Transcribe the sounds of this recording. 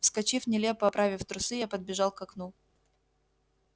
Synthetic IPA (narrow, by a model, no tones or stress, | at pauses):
fskɐt͡ɕifnʲɪlʲepəɐpɾʔavʲɪft̪ɾʊsɨjapəd̪̚bʲɪʐɑlˠkɐknu